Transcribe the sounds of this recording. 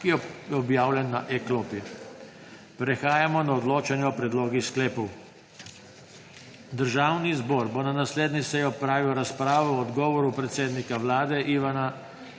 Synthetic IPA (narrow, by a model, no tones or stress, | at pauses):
kijɛjɛɔbjaːwlʲjɛnːaʔɛkloːpi | pɾɛxaːjamɔnaɔd̪loːt͡ʃanjɛɔpɾɛd̪loːɡisklɛːpɔw | d̪əɾʒaːwnizbɔːɾbɔnanasleːd̪nisɛjɔpɾaːʋiɔɾaspɾaːʋɔːd̪ɡɔːʋɔɾupɾɛt̪seːd̪nikaʋlaːd̪ɛʔiːʋana